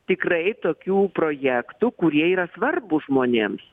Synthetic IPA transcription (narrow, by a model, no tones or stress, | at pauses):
t̪ʲɪkrɐɪt̪oːkʲuːpɾoːjæːkt̪ʊkʊɾʲiɛiːɾɐsʋɐrbʊʒmoːnʲeːms